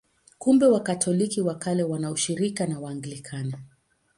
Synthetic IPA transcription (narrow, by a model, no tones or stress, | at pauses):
kumbɛwakatʰɔlikiwakalɛwanauʃiɾikanawaːŋɡilikʰana